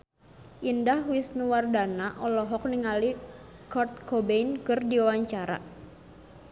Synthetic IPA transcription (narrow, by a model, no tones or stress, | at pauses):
ʔindahwisnuwardanaʔɔlɔɦɔk̚niŋali | kɔrt̪̚kʰɔbeinkɨrdiawaɲt͡ʃaɾa̰